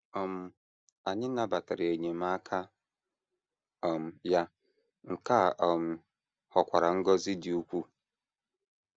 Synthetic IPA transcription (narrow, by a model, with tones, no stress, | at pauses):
ɔ˨m˨ | a˨ɲɪ̃˦nã˦ba˨tʰa˨ɾɪ˨æ˨ɲĩ˨ma˦kʰa˦ | ɔ˨m˨ja˦ | ŋ̩˨kʰa˦˨ʔm˨ | hɔ˨kʷʰa˨ɾa˨ŋ̩˦ɡɔ˦zɪ˦dɪ˦o˦kʷʰu˦